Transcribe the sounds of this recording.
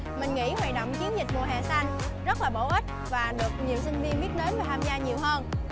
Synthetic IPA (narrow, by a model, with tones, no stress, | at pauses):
mï˨˩ŋ̟ŋḭ˧˥hwa̰ː˧˨jɗo̰˧˨wŋ͡mt͡ɕi˨˦ənzï˨˩k̟̚mṵ˨əɦɛ̰ː˨˩sa˧ŋ | zə˦˥t̚laː˨˩ɓo˧˩ʔi˦˥t̟̚vaː˨˩ɗɨ˨˩ək̚ɲi˨˩əwsï˧ŋ̟vi˧ənɓi˦˥ət̚ɗe˨˦nvaː˨˩t̪ʰaː˧mzaː˧ɲi˨˩əwhəː˧n